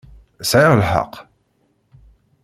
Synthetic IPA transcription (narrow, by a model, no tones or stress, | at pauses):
sʕiɾlħə̰q